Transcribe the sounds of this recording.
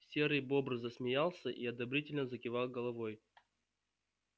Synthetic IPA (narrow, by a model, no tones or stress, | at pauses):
sʲeɾɨjbo̞bɾɨzəsmʲɪjalˠsʲəʔiɐd̪ɐbɾʲitʲɪlʲnəzəkʲɪvɑlˠɡəlˠɐvoj